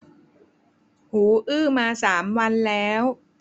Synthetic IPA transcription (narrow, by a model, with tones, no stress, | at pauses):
huː˩˦ʔɯː˥˩maː˧saː˩˦mwa˧nlɛː˦˥w